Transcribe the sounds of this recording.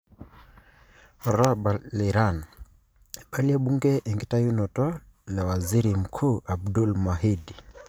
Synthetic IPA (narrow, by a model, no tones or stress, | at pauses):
ɔɾɔbalɛɾan | ɓaliaɓuŋɡɛʔɛŋɡitajunɔtɔlawaziɾim̩kʰuːʔabdulmaɦid